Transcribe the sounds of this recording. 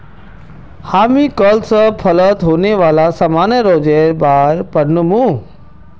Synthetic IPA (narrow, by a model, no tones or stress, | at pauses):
haːmĩkəlsəpʰɐlət̪ɦoːneʋaːlasamaːnəɾoːd͡ʑeːɾbaːɦɾpɐɽnʊmũ